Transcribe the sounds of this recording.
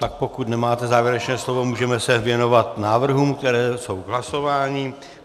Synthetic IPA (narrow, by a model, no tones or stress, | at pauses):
t̪ak̚po̞kut̪nɛmaːt̪ɛzaːvjɛɾɛt͡ʃnɛːslo̞vo̞muːʒɛmɛsɛvjɛno̞vat̪naːvr̩ɦuːmk̚t̪ɛɾɛːso̞wɦlaso̞vaːɲɪ